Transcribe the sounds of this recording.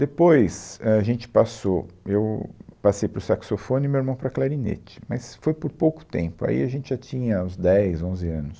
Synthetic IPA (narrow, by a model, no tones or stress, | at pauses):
d̪̥epojsɛaʒẽnt͡ʃɪ̥pasoewpasejpɾʊsaksofõnɪmewiɾmɐ̃w̃pɾɐklaɾinḛt͡ʃɪ̥mɐsfojpoɾpowkʊ̥t̪ḛ̃pʊa̰ḭaʒẽnt͡ʃɪʒat͡ʃĩɲɐũzd̪ɛjzõzɪɐ̃nʊs